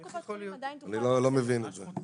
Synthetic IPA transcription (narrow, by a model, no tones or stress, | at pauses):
lanilolomevinɛtzɛ